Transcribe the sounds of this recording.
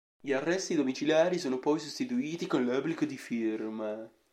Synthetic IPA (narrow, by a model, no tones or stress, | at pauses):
ʎiarːɛst̪id̪omit͡ʃiljaːɾisoːnopɔjsost̪it̪uiːt̪ikonlœblikod̪ifirma